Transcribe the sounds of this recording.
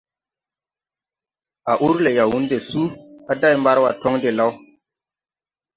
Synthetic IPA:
ʔa˨ʔu˦ɾle˨ja˨wu˦nde˨su˦a˦da˦˨jmba˦ɾwa˨tɔ˦ŋde˨la˦w

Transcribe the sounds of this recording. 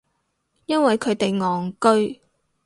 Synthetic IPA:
jɐ˥nwɐ˨jkʰɵ˨˧ɥt̪e˨jŋɔː˨ŋkɵ˥ɥ

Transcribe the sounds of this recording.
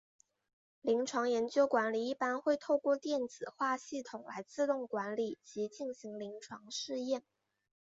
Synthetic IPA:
li˧˥ŋʈ͡ʂʰwɑ˧˥ŋjɛ˧˥nt͡ɕjo˥ʊkwa˧˥nli˨˩i˥˩pa˥nxwe˥˧ɪt̪ʰo˥˧ʊkwɔ˥˧t̪jɛ˥˩nd͡zɹ̩˨˩xwa˥˧ɕi˥˩t̪ʰʊ˨˩ŋla̰˧˥ɪt͡sɹ̩˥˧t̪ʊ˥˩ŋkwa˧˥nli˨˩t͡ɕi˧˥t͡ɕi˥˩ŋɕi˧˥ŋli˧˥ŋʈ͡ʂʰwɑ˧˥ŋʂɻ̩˥˧jɛ˥˩n

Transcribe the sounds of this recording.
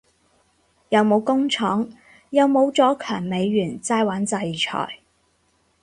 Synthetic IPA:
jɐ˨˧wmo˨˧wkʊ˥ŋt͡ʃʰɔː˨˥ŋ | jɐ˨˧wmo˨˧wt͡sɔː˨˥kʰœː˨˩ŋme˨˧jːyː˨˩nt͡saː˥jwaː˨˥nt͡sɐ˧jt͡ʃʰɔ̰ː˨˩j

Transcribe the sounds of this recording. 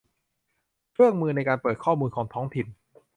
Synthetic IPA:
kʰɯ˥˩əŋmɯː˧na˧jkaː˧npɤː˨˩t̪̚kʰɔː˥˩muː˧nkʰɔː˩˦ŋt̪ʰɔː˦˥ŋt̪ʰi˨˩n

